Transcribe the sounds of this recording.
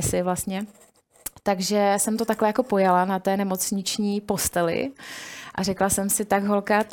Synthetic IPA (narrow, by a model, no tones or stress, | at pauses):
ɛsɪvlast̪ɲɛ | t̪aɡʒɛsɛmt̪o̞t̪aklɛjako̞po̞jalanat̪ɛːnɛmo̞t͡sɲɪt͡ʃɲiːpo̞st̪ɛlɪ̰ʔarɛklasɛmsɪt̪aɡɦo̞lkaː